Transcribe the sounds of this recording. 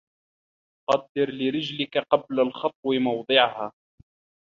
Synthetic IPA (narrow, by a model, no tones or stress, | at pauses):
qɑd̪ːɪɾlɪɾɪd͡ʒlɪkaqɑblalxɑt̪̚ˤwɪmɑwd̪ˤɨʕhaː